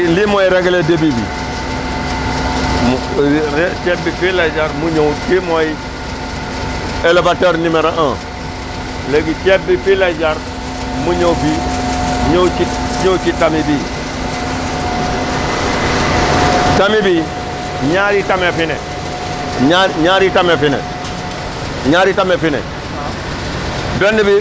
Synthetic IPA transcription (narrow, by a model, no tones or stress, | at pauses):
limoiɾeɡledebibḭ | mɾt͡ʃebifilad͡ʒaɾmuɲowtimoi | elebatoɾnimeɾaʔã | leɡit͡ʃebifilad͡ʒaɾ | muɲobi | ɲot͡ʃiɲot͡ʃitːamibi | tamibi | ɲaɾitamefinḛ | ɲaɲaɾitamefinḛ | ɲaɾitamefinḛ | dendibi